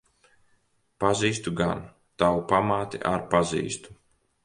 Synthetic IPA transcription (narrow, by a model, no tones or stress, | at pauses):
paziːst̪uɡan | t̪awupamaːt̪ḭʔaɾpazḭːst̪u̥